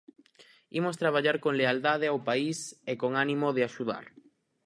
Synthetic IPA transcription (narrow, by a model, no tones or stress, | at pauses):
imost̪ɾaβ̞aʎaɾkoŋleald̪aðeawpaisekoŋanimoðeaʃuða̰ɾ